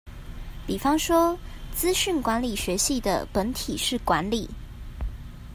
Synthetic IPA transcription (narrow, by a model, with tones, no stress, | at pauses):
pi˨˩fɑ˥ŋʂwɔ˥t͡sɹ̩˥ɕy˥˩nkwa˧˦˥nli˨˩ɕɥɛ˧˥ɕi˥˩d̪ə̰˩pə˧˥nt̪ʰi˨˩ʂɻ̩˥˩kwa˧˥nli˨˩˦